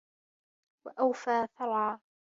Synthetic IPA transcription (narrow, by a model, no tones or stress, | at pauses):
waʔawfaːθɑɾˤʕɑː